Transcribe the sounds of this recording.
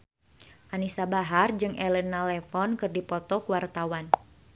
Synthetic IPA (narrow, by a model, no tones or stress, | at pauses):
ʔanisabaɦard͡ʒɨŋʔɛlɛnalɛfɔnkɨrdipɔt̪ɔkuwart̪awan